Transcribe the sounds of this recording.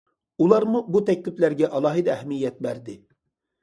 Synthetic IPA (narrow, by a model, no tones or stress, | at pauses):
ulˠɑɾmubut̪ʰɛkʲlɪplæɾɡʲɛʔɑlˠɑɦɨd̪ɛɛhmijːɛt̪̚bæɾd̪ɪ